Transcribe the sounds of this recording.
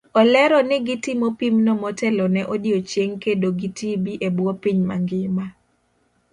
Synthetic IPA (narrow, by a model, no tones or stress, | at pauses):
ɔlɛɾɔnɪɡitimopimnɔmɔtɛlɔnɛʔodiot͡ʃjeŋkedoɡitibiʔebwɔpiɲma̰ŋɡɪma